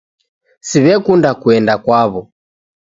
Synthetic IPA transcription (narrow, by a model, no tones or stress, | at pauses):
siβɛkundakuɛndakwaβɔ